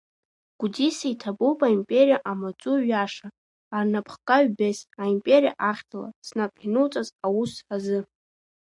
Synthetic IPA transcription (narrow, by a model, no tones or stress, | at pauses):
ɡ̥ʷudisaitʰabowpʼaimpʼe̞ɾijaʔamat͡sʼuɥaʂaː | rnapʰχkʼaɥbesaimpʼe̞ɾija̰ʔaχʲtʰala̰snapʼħnɨt͡sʼazawusħazɨ